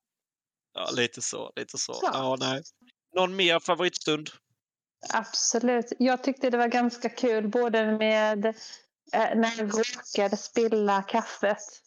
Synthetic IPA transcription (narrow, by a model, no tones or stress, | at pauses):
jɑ̰ːliːt̪ʰəsɔ̰lḭːt̪ʰəsɔ̰ɑːnɛ | nɔnmeːɾfavʊɾiːt̪st̪ɵnd̪ | ab̥sɔlʉ̟ːt̪jɑːɡ̚t̪ʰʏk̚t̪əd̪ɛvaɾɡanskakʰʉ̟ːlboːd̪əmeːd̪ | næɖɾoːkad̪əspɪlːakʰafːət̪